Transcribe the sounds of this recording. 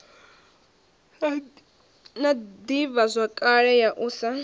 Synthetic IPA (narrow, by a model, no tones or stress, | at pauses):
nad̪ivazʷakʼaɺɛjaʔusa